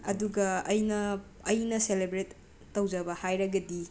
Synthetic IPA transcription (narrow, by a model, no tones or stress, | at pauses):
ɐ̰duɡɐɐjnɐː | jnɐselebɾetː | ɐwd͡ʒɐbɐhajɾɐɡɐdi